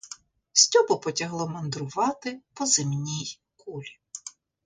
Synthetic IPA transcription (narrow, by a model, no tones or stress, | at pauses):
sʲt͡sʲɔbɔpɔtʲɐɦlˠɔmɔnd̪ɾʊʋɑt̪ɪpɔzɪmnʲij | kulʲi